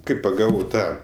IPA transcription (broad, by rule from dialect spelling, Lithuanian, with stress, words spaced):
ˈkɐɪ pɐˈɡɑːʋɐʊ ˈtɑː